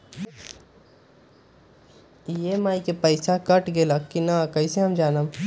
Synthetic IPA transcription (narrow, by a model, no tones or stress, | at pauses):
jemaːikepɐɪsakɐʈɡelɐkkːinakɐiseɦɐmd͡ʒaːnam